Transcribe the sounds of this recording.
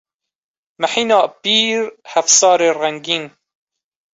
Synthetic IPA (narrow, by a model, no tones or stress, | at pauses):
maħiːnɑːpiːɾhæfsɑːɾeːraŋɡiːn